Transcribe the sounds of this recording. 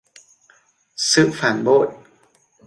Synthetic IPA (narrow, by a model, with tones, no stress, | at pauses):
sɨ̰˧˥ʔfaː˨˦nbo˧˥˨t̚